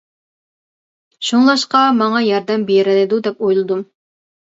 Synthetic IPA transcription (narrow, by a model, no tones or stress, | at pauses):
ʃuŋlˠɑʃqɑmɑŋɑjɑɾd̪ɛmbeɾɪlɪd̪ud̪ɛpojlˠɨd̪um